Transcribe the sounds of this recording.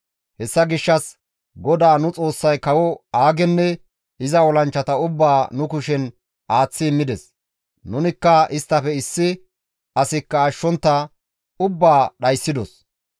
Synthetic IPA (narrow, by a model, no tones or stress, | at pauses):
hɛsːɐɡɪʃːɐs | ɡɔd̪aːnʊt͡sʼo̞ːsːɐjkɐwɔaːɡɛnːɛ | ɪzɐɔlɐnt͡ʃːɐt̪ɐʊbːaːnʊkʊʃɛn | ʔaːt͡sːɪːmːɪd̪ɛs | nʊnɪkːɐɪst̪ːɐpɛɪsːɪ | ɐsɪkːɐːʃːɔnt̪ːɐ | ʊbːaːɗɐjsːɪd̪ɔs